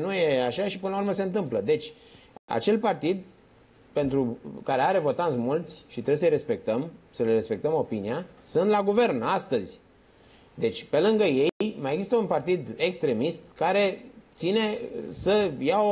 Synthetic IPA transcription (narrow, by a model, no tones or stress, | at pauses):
nuje̞aʃaʃipɨnlauɾməse̞ɨnt̪ɨmpləd̪e̞t͡ʃʲ | a̰t͡ʃe̞lpart̪id̪̚ | pe̞nt̪ɾukaɾeaɾe̞vo̞t̪ant̪sʲmult̪sʲʃit̪ɾes̬əjre̞spe̞k̚t̪əmsəlere̞spe̞k̚t̪əmo̞piniasɨnt̪laɡuve̞rnast̪əzʲ | d̪e̞t͡ʃʲpe̞lɨŋɡəje̞jmajeɡzist̪əunpart̪id̪e̞kst̪ɾe̞mist̪kaɾe̞t̪sine̞səjao